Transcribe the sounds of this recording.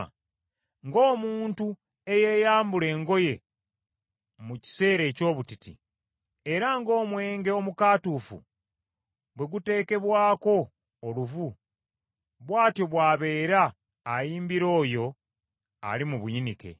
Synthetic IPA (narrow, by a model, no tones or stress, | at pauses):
ŋɡo̞ːmuːntu | e̞je̞ːjaːmbule̞ːŋɡo̞je̞ | muci̥se̞ːɾe̞ːco̞ːβutitḭ | e̞ɾaŋɡo̞ːmwe̞ːŋɡeo̞mukaːtufṵ | βwe̞ɡute̞ːke̞βwaːko̞ː | luvu | βwaːtjo̞βwaːβe̞ːɾaː | jiːmbiɾo̞ːjo̞ | a̰limuβujinike̞̰